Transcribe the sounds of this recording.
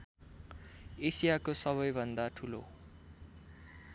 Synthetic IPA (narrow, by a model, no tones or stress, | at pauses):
esijakosʌβʌjbʱʌnd̪aʈʰulo̰